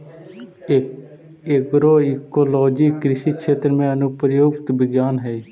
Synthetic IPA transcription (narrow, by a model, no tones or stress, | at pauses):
eɡɾoːikoːlɔːd͡ʒiːkɾɪʃiːkʃʰeːt̪ɾmẽːənʊpɾəjoːkt̪bɪɡjaːnɦɛː